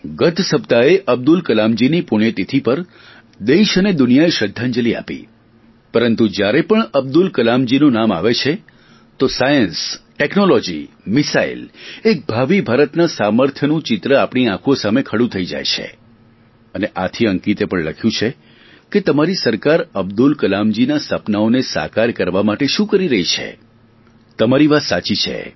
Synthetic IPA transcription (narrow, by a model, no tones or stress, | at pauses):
ɡət̪ʰsəpt̪aeʔəb̚d̪ulkəlamd͡ʒinipʊɳ̃jət̪it̪ʰipəɾ | d̪eʃəned̪ʊnijaeʃəd̪ʱːãnd͡ʒəlia̰pḭ | pəɾənt̪ud͡ʒjaɾepəɳəb̚d̪ulkəlamd͡ʒinũnama̰ʋet͡ʃʰe | t̪osajənsʈeknolɔd͡ʒḭ | mɪsaḭlek̚bʱaʋibʱaɾət̪nasaməɾt̪ʰjənũt͡ʃɪt̪ɾəapɳ̃iãkʰuosamekʰəɽũt̪ʰəid͡ʒa̰jt͡ʃʰḛ | əneʔat̪ʰiəŋkit̪epəɳləkʰjũt͡ʃʰe | ket̪əmaɾisəɾkaɾəbd̪ulkəlamd͡ʒinasəpnaonesa̰kaɾkəɾʋamaʈeʃũkəɾiɾəɦit͡ʃʰḛ | t̪əmaɾiʋasat͡ʃit͡ʃʰḛ